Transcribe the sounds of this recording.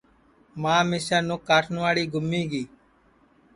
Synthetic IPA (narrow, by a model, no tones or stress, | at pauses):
mãːmeːʃaːnʊkːaːʈʰnʊaːɽiːɡʱʊmːĩːɡiː